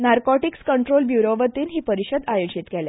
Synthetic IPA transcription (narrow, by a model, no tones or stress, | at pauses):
naɾkɔʈikskəɳʈɾolbjuɾoʋət̪iːnɦiːpəɾiɕəd̪ajod͡ʑit̪kɛlɛ